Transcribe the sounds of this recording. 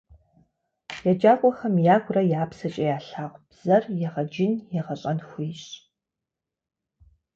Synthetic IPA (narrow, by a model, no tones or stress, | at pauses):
jad͡ʒaːkʷʼɔxɐmjaːɡʷrɐjaːpsɐt͡ʃʼɐjaːɬaːʁʷb̥z̥ɐrjɛʁɐd͡ʒɪnjɛʁɐɕʼɐnxʷiːɕ